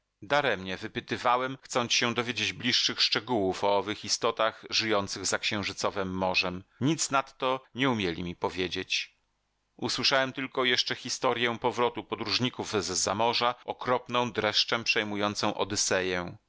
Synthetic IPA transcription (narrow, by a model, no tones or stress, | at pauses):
d̪aɾɛmɲɛvɘpɘt̪ɘvawɛmxt̪sɔnt̪ɕɛ̃d̪ɔvʲjed͡ʑed͡ʑblʲiʂːɘxʂt͡ʂɛɡuwufɔɔvɘxist̪ɔt̪aɣʐɘjɔnt̪sɘɣzakɕɛ̃w̃ʐɘt̪sɔvɛmːɔʐɛmɲit̪snat̪ːɔɲɛumʲjelʲḭmʲipɔvʲjed͡ʑet͡ɕ | uswɘʂawɛmt̪ɘlkɔjɛʂt͡ʂɛxʲist̪ɔɾʲjɛpɔvɾɔt̪upɔd̪ɾuʐɲikuvzzamɔʐaɔkɾɔpnɔ̃w̃d̪ɾɛʂt͡ʂɛpʂɛjmujɔnt̪sɔ̃w̃ʔɔd̪ɘsɛjɛ